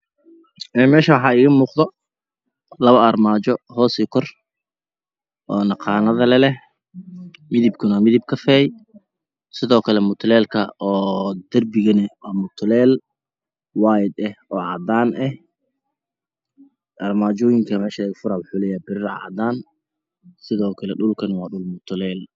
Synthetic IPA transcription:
ʔɛːnmɛːʃɐwɑħɑːɪːɣɐmuːqðɔ | lɐβɐɐrmaːt͡ʃɔɦɔːsikʰɔr | ʔɔːnɑqɑːnɐðɐlɛlɛh | mɪðib̚kʰʊnɐmɪðɪb̚kʰɐfɛj | sɪðɔːkʰɐlɛmʊt̪ʰlɛːlkʰɐɔːd̪̥ɐrbɪɣɐnɐwɑːmʊt̪ʰlɛːl | wajd̪ɛhʔɔːʕɑd̪aːnʔɛh | ʔɐrmaːt͡ʃɔːjɪŋkʰɐmɛːʃɐɛɡfʊɾaːwʊħuːlɛːjɛbɪɾɪrɐʕɑ̰d̪aːn | sɪðɔːkʰɐlɛɗʊlkʰɐnwɑːɖʊlmʊt̪ʰʊlɛːl

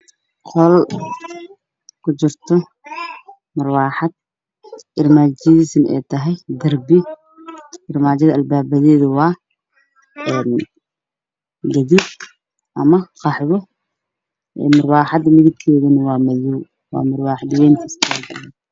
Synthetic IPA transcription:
qʰɔl | kʰʊt͡ʃɪrt̪ʰɔ | mʊrwɑːħɑd̪̚ | ʔɪrmaːd͡ʒɐðiːsɪnʔɛ̰jt̪ʰɐɦɛjd̪ɐrbɪ | ʔɪrmaːt͡ʃɐðɐʔɐlbaːbɐðɛːðʊwɑː | ɛːn | ɡɐðib | ʔɐmɐqɑħβɔ | ʔɛ̰ːmʊrwɑːħɑd̪mɪðɪb̚kʰɛːðɐnɐwɑːmɐluw | wɑ̰ːmʊrwɑːħd̪ɪwɛːŋk̪ʰiskʰɐɡ̰

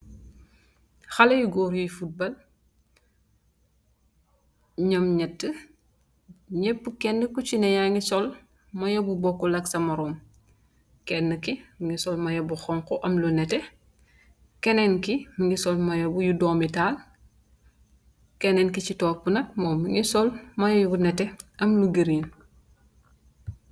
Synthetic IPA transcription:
xɐlɐjuɡɔːɾjujfut̚bɐl | ɲɔmɲɛtːə | ɲɛpːəkɛnːəkut͡ʃinɐjaŋisɔl | mɐjobubɔkːɔlɐksɐmɐɾɔːm | kɛnːəkimiŋisɔlmɐjɐbuxɔŋkɔʔɐmlunɛtɛ | kɛnɛnkimiŋisɔlmɐjobujudɔːmital | kɛnɛnkicitɔːpunɐt̚mɔːmiŋisɔlmɐjojubunɛtɛɐmluɡeɾin

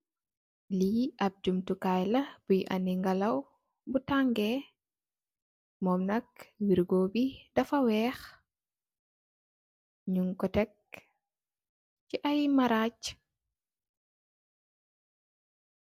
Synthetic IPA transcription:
liʔɐp̚d͡ʒumtukajlɐb̥ujʔɐ̰niŋɡɐlɐw | butaŋɡɛ | mɔmnɐk̚wiɾɡoːbidɐfɐwɛːx | ɲuŋkɔtɛk̚ | ciʔɐjmɐɾaːc

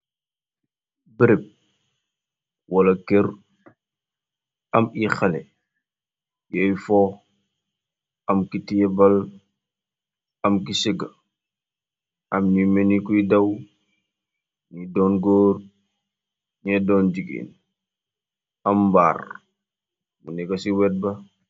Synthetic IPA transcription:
bəɾep̚ | wɐlɐkeɾ | ɐmixɐlɛ̰ | jɛjfɔ | ɐmkitijɛbɐl | ɐmkisiɡɐ | ɐmnimenikuidɐw | nidɔːnɡoːr | ɲɛdɔːnd͡ʒiɡḭːn | ɐmba̰ːr | munɛkɐsiwɛt̚bɐ

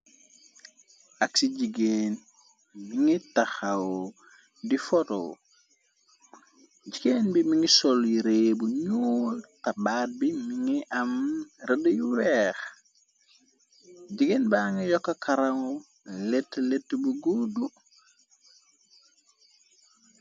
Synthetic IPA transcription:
aksiɟiɡeːn | miŋitaxaw | difɔto̰ː | ɟiɡeːnbimiŋisɔljiɾeːbuɲuːltabaːt̚bimiŋiʔamredujuwɛːx | ɟiɡeːnbaŋijɔkːakʰaɾaŋu | letːletːbuɡudu

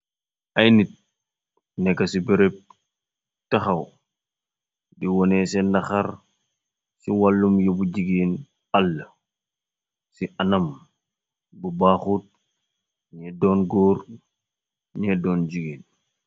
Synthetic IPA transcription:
ʔajnit̚ | nɛkasibɛɾɛp̚ | tɐxɐw | diwɔnɛsɛnɐxaɾ | siwalːumjobuɟiɡiːn | alːɐ | siʔanɐm | bubaxut̚ | ɲɛdɔːnɡɔːɾ | ɲɛdɔːnd͡ʒiɡiːn

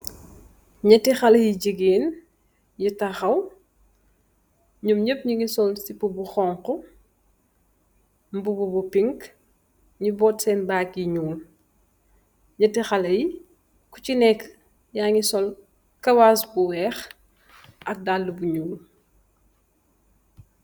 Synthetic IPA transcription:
ɲɐtixɐlɐjiɟəɡeːn | jitɐxɐw | ɲumɲəpɲuŋisɔlsipubuxɔːŋqɔ | mbububupiŋk | ɲubɔːtsɛːnbaːkjiɲuːl | ɲɐtixɐlɐji | kucinɛkː | ɲaːŋisɔl | kɐwasbuwɛːx | ʔɐk̚dalːəbuɲuːl

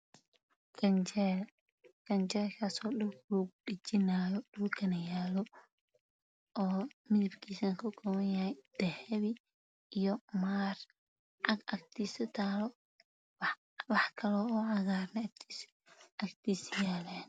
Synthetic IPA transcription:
kʰɐnt͡ʃɛl | kʰɐnt͡ʃɛːlkʰaːsɔːɗʊlɡruːɡ̚ɖɪt͡ʃɪnaːjɔɗʊlkʰɐnɐjaːlɔ | ɔːmɪðɪbkʰiːsɐŋkʰʊɡɔwɐnjɐhɛjd̪̥ɛhɛβɪ | ijɔmaːr | ʕɑɡʔɐk̚t̪ʰiːsɐt̪ʰaːlɔ | wɑħkʰɐlɔːɔːʕɑɣaːɾnɛkt̪ʰːs | ɐkt̪ʰiːsjaːlan

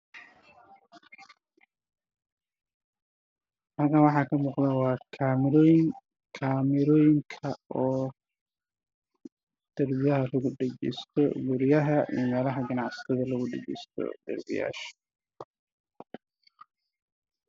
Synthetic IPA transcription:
ɐkɐnwɑħɑːkʰɐmɔːqd̪ɐwɑːkʰaːmɪɾɔjɪŋ | kʰaːmɪɾɔːjɪŋkʰɐɔː | d̪̥ɐrbɪjɐɦɐlʊɣʊɖɛd͡ʒɛ̰jst̪ʰɔ̰ɡʊɾɪjɐɦɐʔḭjmɛːlɐɦɐɡɐnɑʕst̪ʰɐðɐlɐɣʊɖɛɡɛ̰jst̪ʰɔ̰d̪̥ɐ̰rbɪ̰ja̰ːʃ

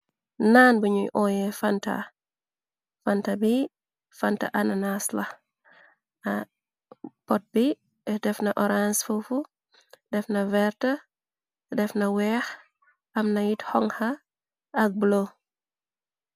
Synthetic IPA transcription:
naːnbuɲujʔɔjɛfanta̰ | fantabi | fanta̰ʔananasla | pɔt̚bi | dɛfnɐʔɔɾansfufu | dɛfnɐvɛɾtə | dɛfnɐwɛx | ʔɐmnɐjithɔŋhɐː | k̚blo

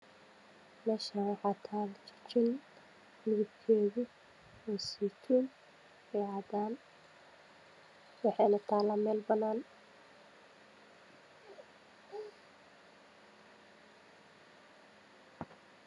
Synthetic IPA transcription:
mɛːʃawɑħɑːt̪ʰaːlt͡ʃʰɪ̥t͡ʃɪn | mɪɣɪb̪kʰɛːɣʊ | ɔːsiːt̪ʰuːn | ɛʕɑːd̪aːn | wɑħɑjnɐt̪ʰaːlɐmɛːlbɐnaːn

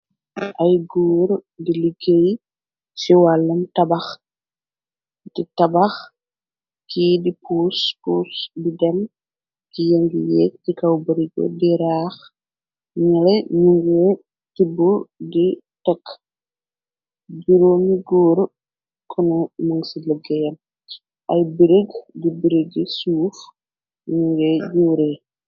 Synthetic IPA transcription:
ʔɐjɡuːɾdiliɡej | siwalːɐmtɐbax | titɐbɐx | kiːdipuːspuːsbidɛm | kijeŋɡijɛtikɐwbɐɾiɡɔ̰diɾaːx | ɲɐlɛɲuŋɡeː | tibːudi | tɐk | ɟiɾoːmiɡɔːɾ | kʰɔnumɐŋsiləɡɛjɐm | ʔɐjbiɾeɡdibiɾeɡisuːf | ɲuŋɡɛɟuːɾe

